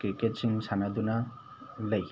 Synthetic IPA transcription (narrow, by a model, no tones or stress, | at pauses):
kɾiket̚siŋsanad̪una | ləj